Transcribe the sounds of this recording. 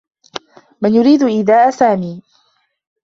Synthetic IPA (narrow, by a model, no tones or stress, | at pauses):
mɪnjʊɾiːd̪ʊʔɪðaːʔasaːmiː